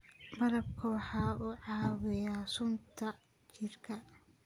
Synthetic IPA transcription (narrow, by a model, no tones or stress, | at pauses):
mɐɾɐbkʰɐwɑħɑːʔuʕɑːwɪjaːsʊnt̪ʰɐ | t͡ʃɪrkʰɐ